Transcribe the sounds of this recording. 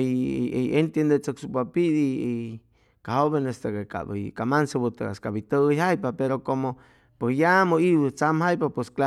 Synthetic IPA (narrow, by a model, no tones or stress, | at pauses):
ent̪jend̪et͡səksupapid̪ii | kahoβenest̪ekeka̰b̰jkamansabut̪eka̰skabit̪əjhajpapeɾokomo | pesjamoiwt͡samhajpapweskla